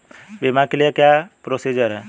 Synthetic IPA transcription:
bemãkelijakjapɾosid͡ʒəɾɛ

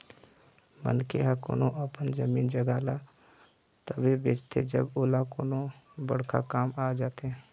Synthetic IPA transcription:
mə̰nkeɦako̰ːnoʔəpənd͡ʒəmiːnd͡ʒəɡaːla | t̪əʋebeːt͡ʃt̪ʰed͡ʒəboːlakoːnõbəɽ̤kʰa̰kaːmaːd͡ʒaːt̪ɦɛ̃ː

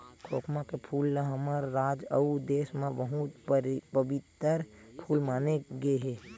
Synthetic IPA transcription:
kʰoːkmakepʰuːlːəɦəməɾːaːd͡ʒəud̪eːsmẽʋəɦũt̪pəbɪt̪əɾpʰuːlmaːneɡeɦɛː

